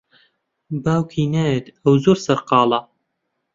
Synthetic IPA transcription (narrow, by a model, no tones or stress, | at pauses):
baːwkʰiːnaːjet̪ɐwzoːɾsɐɾqɑːlˠɐ